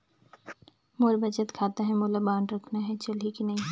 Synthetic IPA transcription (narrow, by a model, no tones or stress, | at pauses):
moːɾbʱɐt͡ʃət̪kʰaːt̪aɦɛmoːlabaːɳɖɾɐkʰnaɦɛt͡ʃɐlikinɐɦĩ